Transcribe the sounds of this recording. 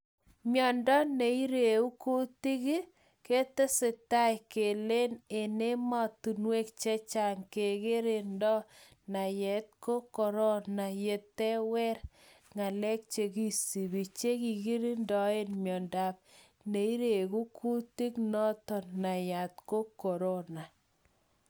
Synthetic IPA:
mjɔ˨ndɔ˦ne˨i˦ɾe˨u˦ku˦ti˦ki˦ | ke˦te˦se˨ta˦jke˨le˦ne˨ne˦ma˦tu˨nwe˦kt͡ʃɛ˦t͡ʃa˨ŋke˨ke˦ɾe˨ndɔ˦ | na˨jɛ˨t̚ko˦kɔ˨ɾɔ˦na˨je˨tːɛ˦wɛ˦ɾ | ŋa˨lɛ˦k̚t͡ʃe˨ki˦si˨bi˨t͡ʃe˦ki˨ɡi˦ɾi˦ndɔ˨e˦nmjɔ˨nda˨p̚ | ne˨i˦ɾe˨ku˦kʰu˦ti˦knɔ˦tɔ˨nːa˨ja˨t̪̚ko˦kɔ˨ɾo˦na˨

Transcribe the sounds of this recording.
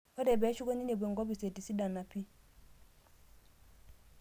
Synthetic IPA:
ɔ˦dɛ˨bɛ˨˦ʃu˦ɡo˦ni˦ne˨be˨ŋɡo˦bi˨se˨ti˨si˦da˨na˨pi˦

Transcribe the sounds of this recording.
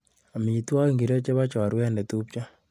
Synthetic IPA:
a˨mi˨i˨twa˦ki˨ŋɡi˨ɾe˦t͡ʃe˦βa˦t͡ʃɔ˨a˨ɾwɛ˦nɛ˨tu˦p̚t͡ʃa˦

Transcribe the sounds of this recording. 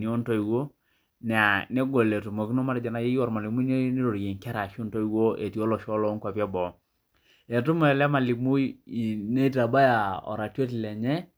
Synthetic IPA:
ni˨˦o˦nto˦i˨wo˦ | nɛ˨a˨ne˦ɡo˨le˨tu˨mo˨ki˦no˦ma˦ɾd͡ʒa˨na˦je˦jɔ˦˨ɾma˨li˨mu˦ne˦ne˦ɾo˨ɾje˨ŋka˦ɾa˨ʃo˦nto˦i˨wo˦e˨ti˨o˦lɔ˨ʃɔ˦lɔ˦ŋkwa˨pja˦bɔ˨ | e˨tu˦mo˦ɛ˨lɛ˦ma˨li˨mu˦ji˨ne˦ta˨ba˦ja˨ɔ̰˨ɾa˨te˦tlɛ˨ɲɛ˦

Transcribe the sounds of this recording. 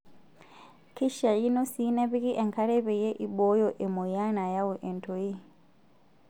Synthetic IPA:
ki˦ʃa˨ji˦no˦sine˦βi˦ki˦ʔe˨ŋka˦ɾe˦βe˨je˦ʔi˦bo˦jo˦ʔe˨mu˨ja˦na˨ja˦wu˨ʔe˨ntʰo˨ji˦

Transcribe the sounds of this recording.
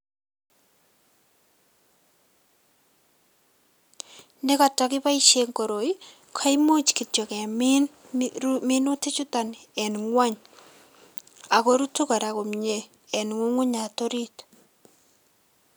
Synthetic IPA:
ne˦kɔ˨tɔ˨kɪ˦pa˦iʃe˦ŋko˨ɾo˨i | kʰa˦imo˦t͡ʃki˨tjo˨kɛ˨mn | minu˦tɪ˦t͡ʃu˦ta˨nɛ˨nŋwa˦ɲ | a˨ko˦ɾu˦tu˦kɔ˨ɾa˨ko˨mɲe˦ | ɛ˨nŋu˦ŋu˦ɲa˨to˦ɾit

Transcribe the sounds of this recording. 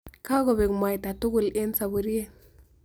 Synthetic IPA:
ka˦ɡɔ˨be˨kma˨jta˨tu˦ɡʊ˨le˦nsa˨bu˨ɾi˦e˦

